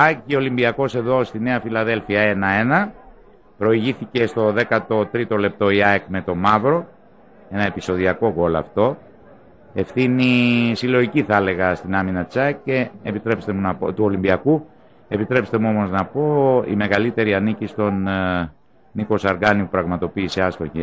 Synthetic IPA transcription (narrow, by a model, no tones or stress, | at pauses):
ɐciolimbiɐko̞se̞ðo̞st̪ine̞ɐfilɐðe̞lfiɐe̞nɐe̞nɐ | pɾo̞iʝiθice̞st̪o̞ðe̞kɐt̪o̞t̪ɾit̪o̞le̞p̚t̪o̞iɐekme̞t̪o̞mɐvɾo̞ | e̞nɐe̞piso̞ðiɐko̞ɣo̞lɐ̰ft̪o̞ | e̞fθinisilo̞ʝiciθele̞ɣɐst̪inɐminɐt͡sɐce̞ːpit̪ɾe̞pst̪e̞munɐpo̰t̪uo̞limbiɐku | e̞pit̪ɾe̞pst̪e̞muo̞mo̞znɐpo̞ḭme̞ɣɐlit̪e̞ɾiɐnicist̪o̞n | iko̞sɐɾɡɐnipupɾɐɣmɐt̪o̞piːse̞ɐst̪o̞ʝe